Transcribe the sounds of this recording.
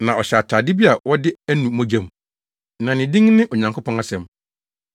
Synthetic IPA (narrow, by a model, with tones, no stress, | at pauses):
nã˨ɔ˨ɕɛ˨a˨tʰaː˨dɪ˦bi˦a˨wɔ˦dɪ˦æ˦nũ˨˦mõ˦d͡ʑæ̃˦m˨ | nã˨nɪ̃˨dɪ̃˦ŋnɪ̃˦ʔɔ˨ɲã˨ŋkʰo˦pʰɔ̃˦na˦sɛ̃˨m